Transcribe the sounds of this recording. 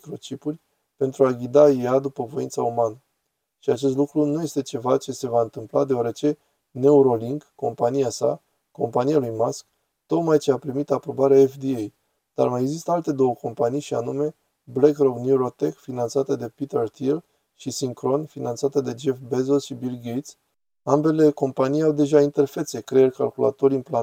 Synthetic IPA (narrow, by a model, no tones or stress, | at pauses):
kɾo̞t͡ʃipurʲ | pe̞nt̪ɾuaɡʲid̪ajad̪upəvo̞int̪saumanə | ʃiat͡ʃe̞s̬t̪lukɾunuje̞st̪e̞t͡ʃe̞vat͡ʃe̞se̞vaɨnt̪ɨmplad̪e̞oaɾe̞t͡ʃe̞ | ne̞uɾo̞liŋɡːo̞mpanijasa̰ | ko̞mpanijalujmask | t̪o̞kmajt͡ʃe̞apɾimit̪apɾo̞baɾeaefd̪iej | d̪̥a̰rmajeɡzist̪əalt̪e̞d̪o̞wəko̞mpanijʃianume̞ | blekrobnjuɾo̞t̪ekfinant̪sat̪əd̪e̞pit̪ert̪ʰil | ʃisiŋkɾo̞nfinant̪sat̪əd̪e̞d͡ʒefbezolʃibilɡejt̪s | ambe̞le̞ko̞mpanijawd̪e̞ʒaint̪e̞rfe̞t̪se̞kɾeerʲka̰lkula̰t̪o̞ɾiɨnpla